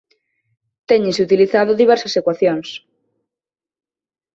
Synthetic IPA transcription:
t̪ɛɲesut̪iliθaðoðiβ̞ɛɾsasekwaθjoŋs

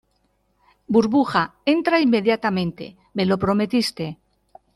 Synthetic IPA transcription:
buɾβuxae̞nt̪ɾaimːe̞ðjat̪amẽ̞nt̪e̞̰ | me̞lo̞pɾo̞me̞t̪ist̪e̞

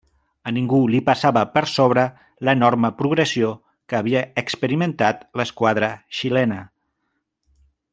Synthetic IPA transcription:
əniŋɡulipasaβəpəɾsoβ̞ɾə | lənɔɾməpɾuɣɾəsio | kəːβ̞iəːkspəɾimənt̪at̪ləskwaðɾəʃilɛnə

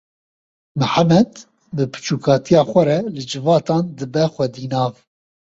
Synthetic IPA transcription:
mɨħamɛd̪ | bɨpʰɨ̥t͡ʃuːkʰɑːt̪ʰijɑːxʷɛɾɛlɨd͡ʒɨvɑːt̪ɑːnd̪ɨbɛxʷɛd̪iːnɑːv

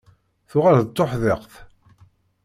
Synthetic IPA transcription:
θʊʁaɾðət̪ːoħðeqθ

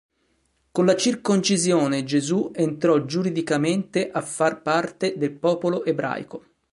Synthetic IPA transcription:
konlat͡ʃirkont͡ʃizjoːned͡ʒezuent̪ɾɔd͡ʒuɾid̪ikament̪eʔafːarpart̪ed̪elpɔːpoloʔebɾa̰jko

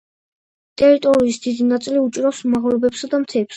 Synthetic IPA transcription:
t̪ʼɛɾit̪ʼɔɾiːsd̪id̪inat̪sʼiliut͡ʃʼiɾasumaʁlɔbɛpsad̪amt̪sʰɛɛps

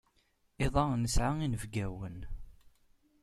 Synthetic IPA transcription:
eðˤɑnəsʕaŋinəvɡæwən

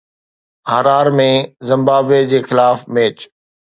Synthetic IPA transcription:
ɦaɾaːɾmẽzɪ̃mbaːbed͡ʑeːxɪlaːfmeːt͡ɕ

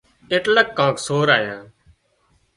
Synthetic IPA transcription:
eʈləkːãːksoːɾaːjãː

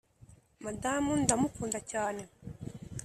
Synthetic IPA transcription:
madamundamukuːndacaːne̞

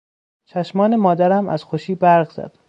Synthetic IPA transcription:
t͡ʃʰæʃmɒːnemɒːd̪æɾæmæ̰z̥xoʃiːbæɾʁzæ̰d̪̥

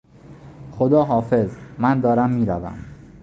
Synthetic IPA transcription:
xo̞d̪ɒːɦɒːfe̞zmænd̪ɒːɾæmːiːɾævæ̰m

